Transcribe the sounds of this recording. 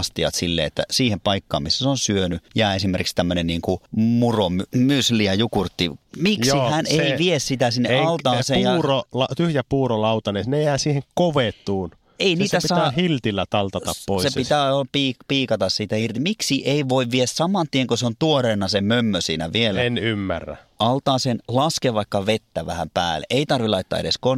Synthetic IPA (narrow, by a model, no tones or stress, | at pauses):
st̪iɑ̰t̪silːḛḛt̪ːæ̰siːhempɑikːɑ̰ːmmisːæsonsyønyjæːesimerkikst̪æmːønenniːŋkumuromymysliæjukurt̪ːimiksihæneiʋiessit̪æsinːeʔɑltt̪ɑːseːjjɑuːrolɑt̪yhjæpuːrolɑut̪ɑnesnejæːsiːheŋkoʋet̪ːˑuːn | einiːt̪æspisɑæːhilt̪ilːæt̪ɑlt̪ɑt̪ɑ̰ppoˑisepit̪æːolɑpiːkpiːkɑt̪ɑssit̪æirt̪imiksiʔeiʋoiʋʋiessɑmɑnt̪ieŋkoseont̪uoreːnɑsemømːøsḭːnæ̰ʋielenymːæ̰rːæ̰ | ɑlt̪ɑːsenlɑskeʋɑikːɑʋet̪ːæʋæhæ̰mpæ̰ːlːḛʔeit̪ɑrʋilɑit̪ːɑ̰ːḛɾeskon